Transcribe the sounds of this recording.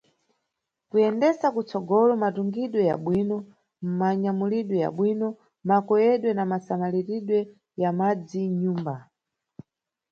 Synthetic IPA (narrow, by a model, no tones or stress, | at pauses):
kujɛndɛsakut͡sɔɡɔlɔmatuŋɡiɗwɛja̰ɓwiːnɔ | mmaɲamuliɗwɛja̰ɓwinɔ | makɔjɛɗwɛnamasamaliɾiɗwɛ | jamad͡ziɲuːmba